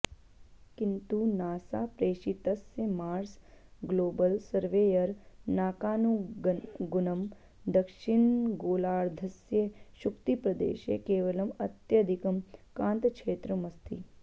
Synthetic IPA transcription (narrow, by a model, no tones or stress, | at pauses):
kint̪unaːsa̰pɾeːʃit̪ɐsjemaːɾsɡloːbəlsɐɾʋeːjɐɾnaːkaːnu | ɡʊnɐm | d̪ɐkʃiɳɡoːlaːɾd̪ʱɐsjeʃukt̪ipɾɐd̪ḛːʃḛkeːʋɐlɐmɐt̪jɐd̪ʱikɐmkãːnt̪kt͡ʃʰeːt̪ɾɐmɐst̪ḭ